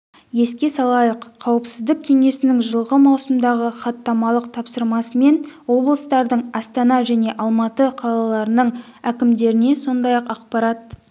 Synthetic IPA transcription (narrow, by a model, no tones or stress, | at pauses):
je̞skʲe̞sɑlˠɑjəqʰːɑwəpsɪzd̪ɪk̚ʲkʲʰe̞ŋe̞sɪnɪŋʒəlˠʁəmɑwsəmd̪ɑʁəχɑt̪ːɑmɑlˠəqt̪ʰɑpsəɾmɑsəme̞nwo̞blˠəst̪ɑɾd̪əɴɑst̪ɑnɑʒæne̞ʔɑlˠmɑt̪əqʰɑlˠɑlˠɑɾənəɴækʲɪmd̪e̞ɾɪne̞so̞nd̪ɑjɑqɑqpɑɾɑt̪̚